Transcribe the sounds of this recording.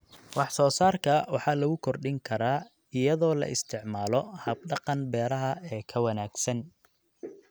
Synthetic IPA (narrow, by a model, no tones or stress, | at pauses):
wɑħsɔːsaːrkʰɐwɑħɑːlɐɣʊkʰɔrɖɪŋkʰɐɾaː | ɪjɐðɔːlɐ̰ʔɪst̪ʰɪʕmaːlɔhɐb̚ɖɑqɑnbɛːɾɐɦɐɛːkʰɐwɐnaːɡ̥sɐn